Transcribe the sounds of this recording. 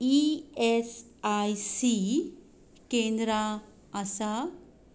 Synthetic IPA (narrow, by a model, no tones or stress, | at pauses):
ies | ajsi | kẽnd̪ɾaː | sa